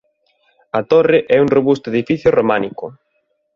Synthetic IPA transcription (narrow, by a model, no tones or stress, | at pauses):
ɐt̪oreʔɛuŋroβust̪oeðifiθjoromanikʊ̰